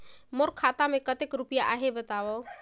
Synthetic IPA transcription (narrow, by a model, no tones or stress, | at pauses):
moɾkʰat̪amekət̪ekɾupijaʔaɦebət̪aʋɔ